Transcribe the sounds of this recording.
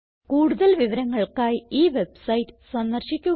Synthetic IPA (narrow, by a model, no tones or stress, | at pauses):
kuːɽuðɐlʋiʋɐɾɐŋːɐɭkaːjiːʋebsɐjtːɨ̥sɐnd̪ɐrɕikʲːu